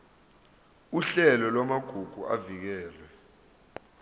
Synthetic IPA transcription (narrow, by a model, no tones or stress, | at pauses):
uɬɛlɔlwamaɡ̥ʱuɡ̥ʱua̰vik̬ɛːlɛ